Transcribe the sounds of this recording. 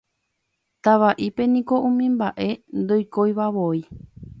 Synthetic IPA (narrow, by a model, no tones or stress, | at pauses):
t̪aʋaʔipe̞nĩkoʔũmĩmbaʔe̞nd̪ojkojβaβoi